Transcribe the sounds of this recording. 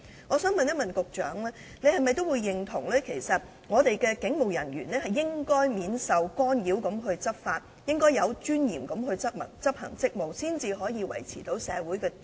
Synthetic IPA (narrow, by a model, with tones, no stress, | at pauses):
ŋɔː˨˧sœː˨˥ŋmɐ˨njɐ˥t̚mɐ˨nkʊ˨k̚t͡ʃœ̰ː˨˥ŋlɛː˥ | ne˨˧jhɐ˨jmɐ˨jt̪̬o˥wuː˨˧jːɪ˨ŋt̪ʰʊ˨˩ŋlɛː˥kʰe˨˩jsɐ˨t̚ | ŋɔː˨˧t̪e˨jkɛː˧kɪ˨˥ŋmo˨wjɐ˨˩njyː˨˩nlɛː˥hɐ˨jːɪ˥ŋkɔː˥jmiː˨˧nsɐ˨wkɔː˥njiː˨˥wkɐ˨˥mɦɵ˧ɥt͡sɐ˥p̚faː˧t̚ | jɪ˥ŋkɔː˥jɐ˨˧wt͡ʃyː˥njiː˨˩mkɐ˨˥mɦɵ˧ɥt͡sɐ˥t̚mɐ̰˨˩ŋt͡sɐ˥p̚hɐ̰˨˩ŋt͡sɪ˥k̚mo˨˩wsiː˥nt͡siː˧ɦɔː˨˥jiː˧wɐ̰˨˩jt͡sʰḭː˨˩t̪o˨˥wsɛː˨˧wuː˨˥jkɛː˧